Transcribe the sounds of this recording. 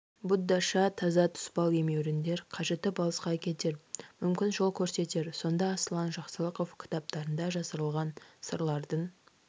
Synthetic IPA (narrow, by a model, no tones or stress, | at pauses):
bʊd̪ːɑʃɑt̪ʰɑzɑt̪ʰʊ̥spɑlˠe̞me̞wɾɪnd̪e̞ɾqʰɑʒe̞t̪ːɪbɑlˠəsqɑːkʲe̞t̪e̞ɾmʏmkʲɪnʒo̞lˠkʲʰɵɾse̞t̪e̞ɾso̞nd̪ɑːslˠɑnʒɑqsəlˠəqo̞fkʲʰɪ̥t̪ɑp̚t̪ɑɾənd̪ɑʒɑsəɾəlˠʁɑnsəɾlˠɑɾd̪əɴ